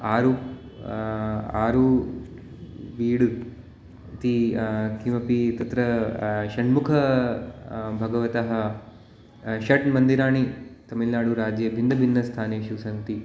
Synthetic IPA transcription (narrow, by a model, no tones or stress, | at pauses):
aːɾuːp | a̰ːɾu | ʋiːɽu | t̪ikimɐpit̪ɐt̪ɾɐʃɐɳmukʰɐ | bʱɐɡɐʋɐt̪ɐɦɐ̆ | ʃɐʈmɐnd̪iɾaːɳit̪ɐmilnaːɽuɾaːd͡ʒjɐbʱind̪ʱɐbʱinːɐst̪ʰaːneːʃuʋsɐnt̪i